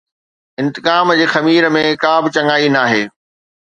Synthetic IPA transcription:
ɪ̃nt̪ɪkaːmd͡ʑeːxɐmiːɾəmẽkãːbɪt͡ɕɐ̃ŋaːinaːɦeː

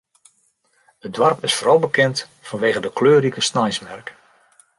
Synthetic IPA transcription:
ədʋarpɪsfɔrɔlˠbəkɛnt | fɔnʋeːɣədəkløːɾikəsnajsmɛrk

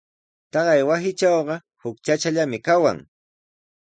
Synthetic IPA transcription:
t̪ɑɢɑjwasɪt͡ʃɑwɢɑ | hʊkt͡ʃat͡ʃaʎamɪkawa̰ŋ

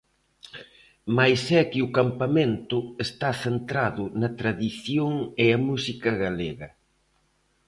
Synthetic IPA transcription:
majsɛkɪʊkampamẽnt̪ʊest̪aθent̪ɾaðʊnɐt̪ɾaðiθjoŋeɐmusikɐɣaleɣɐ

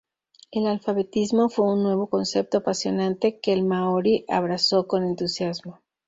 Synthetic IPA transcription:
e̞lalfaβe̞t̪izmo̞fwe̞unːwe̞β̞o̞ko̞nse̞p̚t̪oapasjo̞nãnt̪e̞ke̞lmaoɾiʔa̰βɾaso̞ko̞ne̞nt̪usjazmo

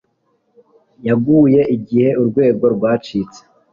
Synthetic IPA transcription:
jaɡuːje̞ʔiɡihe̞uɾɡwe̞ːɡo̞ɾɡwaːt͡ʃiːt͡se̥

